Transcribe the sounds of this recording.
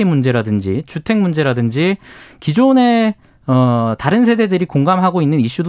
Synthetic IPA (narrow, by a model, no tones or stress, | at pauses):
imund͡ʑe̞ɾadɯnd͡ʑḭt͡ɕutʰe̞ŋmund͡ʑe̞ɾadɯnd͡ʑikid͡ʑone̞ | ʌtaɾɯnsʰe̞de̞dɯɾikoŋɡamɦaɡoinːɯniɕ͈ud